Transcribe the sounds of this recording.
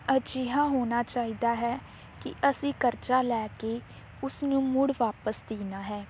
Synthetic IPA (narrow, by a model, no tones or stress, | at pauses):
əd͡ʒiːɦãːɦoːnaːt͡ʃaːiːd̪aːɦɛː | kɪ̰ʔəsĩːkəɾt͡ʃaːlɛːkeː | ʊsnũːmʊɽʋaːpəsd̪iːnaːɦɛː